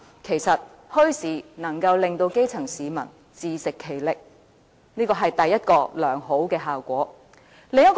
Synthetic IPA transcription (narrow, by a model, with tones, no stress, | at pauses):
kʰe˨˩jsɐ˨t̚ | hɵ˥ɥsiː˨˥nɐ˨˩ŋkɐ˧wlɪ˨ŋt̪o˧wke˥jt͡sʰɐ˨˩ŋsiː˨˧mɐ̰˨˩n | t͡siː˧sɪ˨kʰːe˨˩jlɪ˨k̚ | niː˥kɔː˧ɦɐ˨jt̪ɐ˨jːɐ˥t̚kɔː˧lœː˨˩ŋɦo˨˥wkɛː˧ɦaː˨wkʷɔː˨˥ | lɪ˨˧ŋɐ˥t̚k